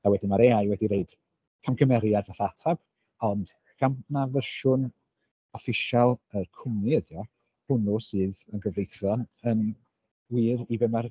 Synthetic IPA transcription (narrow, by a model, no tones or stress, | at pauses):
awɛdɪmaɾeajwɛdiɾeɨd̥ | kʰamkʰəmɛɾjadvaθaatʰab̥ | ɔnd̥ | ɡ̥amnavərʃʊn | ɔfɪʃalˠərkʰʊmiədjɔ | hʊnʊsɨːðənɡəvlejθjɔnən | wiːɾibɛmar